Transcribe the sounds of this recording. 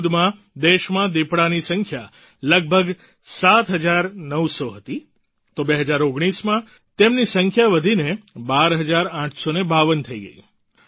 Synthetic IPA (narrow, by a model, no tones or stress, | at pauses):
d̪mã | d̪eʃmãd̪epɽanisə̃ŋkʰja | ləɡ̚bʱəɡ | sat̪ɦəd͡ʒaɾnəʋsoɦət̪i | t̪obeɦəd͡ʒaɾoɡɽ̃ismã | t̪emnisəŋkʰjaʋəd̪ʱinebaɾɦəd͡ʒaɾãʈʰsonebaʋənt̪ʰəiɡə̰i